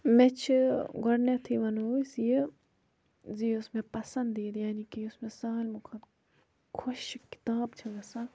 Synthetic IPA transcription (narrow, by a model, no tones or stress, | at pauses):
mẽt͡ʃʰɡɔɽnet̪ʰiʋɐnuisije | ziːʊsmẽpɐsɐ̃nd̪eːd̪jaːnikiʊsmẽsaːlmukʰɐt̪ | kʰʊʃkɪ̥t̪aːbt͡ʃʰɐɡɐsa